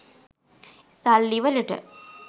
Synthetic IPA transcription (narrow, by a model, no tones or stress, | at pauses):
t̪ɐlːiʋɐliʈːɨ̰